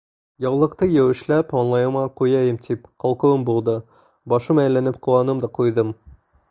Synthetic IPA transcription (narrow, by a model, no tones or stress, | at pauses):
jɑwlˠɤ̆qt̪ɤjæwɘ̆ʃlæpɑnlˠɑjɤ̆mʁɑqujɑjɘmt̪ʰipqɒlˠqɤ̆wɤmbulˠd̪ɤ | bɑʃɤmæjlænɘpqŭwɑnɤmd̪ɑqujðɤm